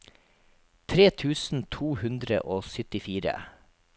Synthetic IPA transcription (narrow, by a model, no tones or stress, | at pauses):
t̪ʰɾeːt̪ʰʉːsn̩t̪ʰuːhʉnd̪ɾə̰ʔoːsʏt̪ɪfiːɾə̰